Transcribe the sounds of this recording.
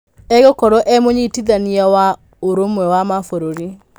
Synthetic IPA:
ɛɣɔkɔɾɔʔɛmoɲitiðaniawa | oɾomwɛwamafoɾoɾi

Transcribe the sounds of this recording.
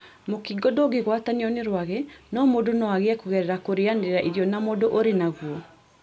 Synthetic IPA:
mokiɡɔdɔɡeɣwataniɔneɾwaɣɛnɔmodonɔaɣeakoɣɛɾɛɾakoɾeandeeɾaʔiðjɔnamodoʔoɾenaɣwɔ

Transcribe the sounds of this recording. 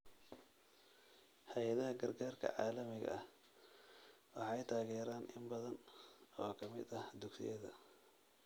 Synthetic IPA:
hɛjɐðɐɦɐɡɐrɡaːrkʰɐ̰ʕɑːlɐmɪɣɐ̰ɐh | wɑħɑjt̪ʰaːɣɛːɾaːnʔɪmbɐðɐnɔːkʰɐmɪd̪ɐhd̪ʊɡsɪ̰jɐðɐ̰

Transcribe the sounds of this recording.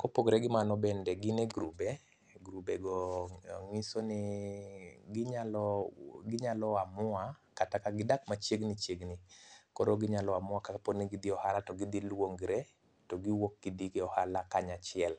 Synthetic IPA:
kopoɡɾɛɡɪmanɔbɛndɛɡɪneɡɾubɛ | ɡɾubɛɡɔ | ŋisonɪ | ɡɪɲalɔɡɪɲalɔamʊa | katakaɡɪdakmat͡ʃjeɡnit͡ʃeɡnɪkɔɾoɡɪɲalɔamʊakapɔniɡid̪iɔhalatɔɡid̪ilwoŋɡɾe | tɔɡiwok̚ɡid̪iɡɪɔhalakaɲat͡ʃɪɛl

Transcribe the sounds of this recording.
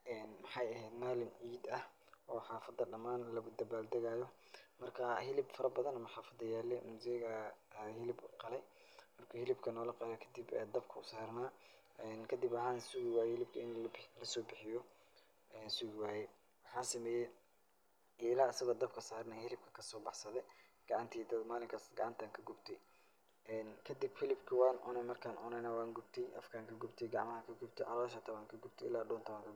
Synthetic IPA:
ɛːnmɐħɑjɐɦɛjd̪maːlɪnʕiːd̪ɐhʔɔːħɑːfɐd̪ɐɖɐmaːnlɐɣʊd̪ɐbaːld̪ɐɣaːjɔ | mɐrkʰɐhɪlɪbfɐɾɐbɐðɐnɐmɐħɑːfɐd̪ɐjaːlɛmʊzɪɣɐhɪlɪbqɑlɛj | mɐrkʰɐhɪlɪbkʰɐnɔːlɐqɑjɔkʰɐd̪ibɛ̰d̪ɐb̚kʰɐʊsaːrnaː | ɛnkʰɐd̪ibɑʕaːnsʊɣɪwaːjɛhɪlɪb̚kʰɐɪnlɐsɔːbɪħɪjɔ | ɛːnsʊɣɪwaːjɛ | wɑħɑːsɐmɛːjɛ | ʔɪlaːsɐɣɐd̪ɐbkʰɐsaːrnaːhɪlɪb̚kʰɐ̥kʰɐsɔːbɑħsɐðɛ | ɡ̥ɑʕɑnt̪ʰiːt̪ʰɐmaːlɪŋkʰɐsɡɑʕɑnt̪ʰaːŋkʰɐɡʊbt̪ʰɛ | ɛːnkʰɐd̪ɪbfɪlɪbkʰɐwɑːnʔʊ̰nɛmɐrkʰaːnʔɔnɛnɐwaːŋɡʊbt̪ʰɛjʔɐ̰fkʰaːŋkʰɐɡʊbt̪ʰɛjɡɑʕmɐhɐkʰɐɡʊbt̪ʰɛʕɑ̰lɔːʃɐt̪ʰɐβaːŋkʰɐɡʊb̚t̪ʰɛɪlaːdɔːnt̪ʰɐaŋkʰɐɡ

